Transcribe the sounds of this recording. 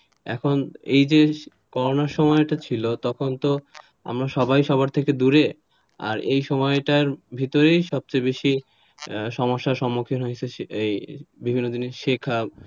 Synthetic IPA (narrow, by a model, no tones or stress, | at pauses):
ɛ̰kʰonḛjd͡ʑe | kɔɾonaɾʃɔmɔeʈat͡ɕʰilot̪ɔkʰont̪o | a̰mɾaʃɔbajʃɔbaɾt̪ʰeked̪uɾe | a̰ɾejʃɔmɔeʈaɾbʱit̪oɾejʃɔb̚t͡ɕajbeʃi | ʃɔmoʃːaɾʃɔmːokʰinɦojt͡ɕʰeebibʱinːod̪ineʃekʰab